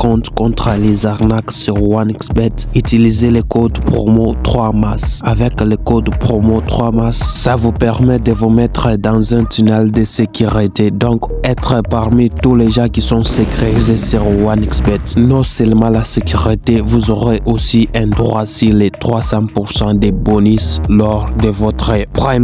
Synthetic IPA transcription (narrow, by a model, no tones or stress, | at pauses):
kɔ̃t̪kɔ̃t̪χəlezaʁnaksyʁwanksbɛt̪yt̪ilizelekod̪pχomot̪χwamasavɛklekod̪pχomot̪χwamassavupɛʁmɛd̪əvumɛt̪χəd̪ɑ̃zɛ̃t̪ynɛld̪əsekyʁit̪ed̪ɔ̃k | ɛt̪χəpaʁmit̪uleʒɑ̃kisɔ̃səkχetizesyʁwanɛksbɛt̪nɔ̃sɛlmɑ̃lasekʲyʁit̪evuzoʁeʔosiʔɛ̃d̪ʁwasilet̪χwasɑ̃puʁsɑ̃d̪ebɔnislɔʁd̪əvɔt̪χəpχam